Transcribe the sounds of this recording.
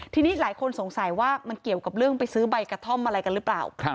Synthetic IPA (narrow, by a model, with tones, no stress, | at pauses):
t̪ʰiː˧niː˦˥laː˨˩˦jkʰo˧nso˨˩˦ŋsa˨˦jwaː˥˩ma˧nki˨˩əwka˨˩p̚ɾɯ˥˩əŋpa˧jsɯː˦˥ba˧jkɾa˧t̪ʰɔ˥˩mʔa˧ɾa˧jka˧nɾɯ˦˥pla̰ː˨˩w